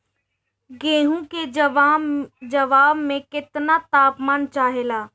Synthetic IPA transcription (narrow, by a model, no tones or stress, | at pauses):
ɡeːɦũke | d͡ʒɐʋaːbmẽkɪt̪nat̪aːpmaːnt͡ʃaːɦeːlaː